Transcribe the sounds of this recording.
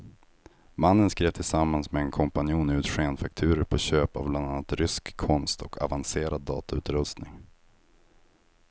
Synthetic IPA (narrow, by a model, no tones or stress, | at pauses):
manːənskɾeːvt̪ʰɪlsamːansmɛɛnkʰɔmpanɪuːnʉ̟ːt̪ɧeːnfak̚t̪ʰʉ̟ːɾəɾpʰɔɕøːpa̰vbland̪anːat̪ɾʏskʰːɔnst̪ʰɔkʰa̰vanseːɾad̪ːɑ̰ːt̪aʉ̟ːt̪ɾɵst̪nɪŋ